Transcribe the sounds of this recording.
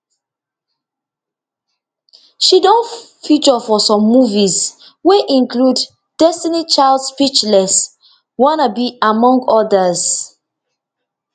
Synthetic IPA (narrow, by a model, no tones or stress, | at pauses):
ʃidɔ̃n | fit͡ʃɔfɔsɔ̃mːuviz | wɛʔĩnklud | d̥ɛstinit͡ʃaɪldspit͡ʃlɛs | wɔ̃nabiamɔ̃ŋɡɔdəz̥